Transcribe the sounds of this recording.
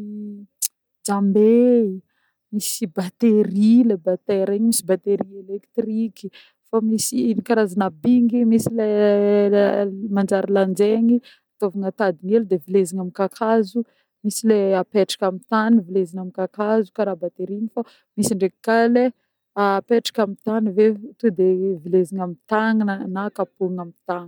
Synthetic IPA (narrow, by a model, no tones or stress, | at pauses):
d͡zambei | misibat̪eɾilebat̪eɾeɲimisibat̪eɾielekt̪riki | famisinikaɾazanabiŋɡimisile | mand͡ʒaɾiland͡zeŋi | at̪ovaŋat̪ad̪ineld̪evileziŋamikakʰazu | misileapeʈ͡ʂḁkʲamit̪anivilezinamikakazukaɾabat̪eɾinifa | misiɳɖ͡ʐeki̥kale | aːpeʈ͡ʂḁkʲamit̪anivet̪ud̪evileziɲamit̪aŋnakapuŋamit̪aŋ